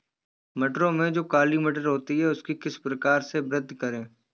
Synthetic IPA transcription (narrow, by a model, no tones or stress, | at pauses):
mɛʈɾõmẽd͡ʒoːkaːlimeʈ̬əɾɦoːt̪iɦɛʊskikɪspɾɐkaːɾsebɾəd̪ʱkɐɾẽː